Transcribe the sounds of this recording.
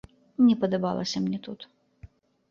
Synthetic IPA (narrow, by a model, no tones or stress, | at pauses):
nʲɛpɐd̪ɐba̰lˠɐ̰sʲɐmnʲɛt̪ut̪